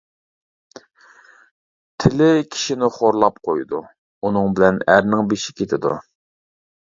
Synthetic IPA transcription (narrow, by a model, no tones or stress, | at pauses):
t̪ʰɪlɪkʲʰi̥ʃinɪχoɾlˠɑp̚qʰojd̪u | unɨŋbɪlɛnæɾnɪŋbeʃɪ̥kʲʰet̪ʰɪd̪ṵ